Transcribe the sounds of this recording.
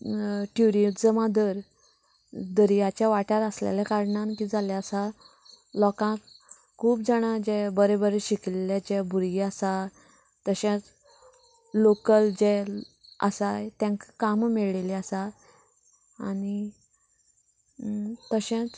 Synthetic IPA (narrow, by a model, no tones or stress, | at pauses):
ʈʰuɾiut̪d͡zəmad̪əɾ | d̪əɾijat͡ɕjaʋaʈaɾəslḛlakaɾɳankid͡zalaəsa | lɔkãk | kʰuːpd͡zaɽ̃ad͡ʑebəɾebəɾeɕiklelat͡ɕebʱuɾɡiasa | t̪əɕɛ̃t͡s | lokəld͡ʑe | ə̰sajt̪ẽŋkkammiɭleliasa | ani | t̪əɕẽt͡s